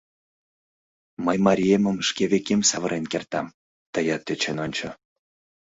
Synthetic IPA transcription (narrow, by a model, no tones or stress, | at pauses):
məjmɑɾʲiemə̆mʃkʲeβʲekemsɑvə̆ɾʔenkʲert̪ɑm | t̪əjɑt̪ːet͡ɕenonʲt͡ɕŏ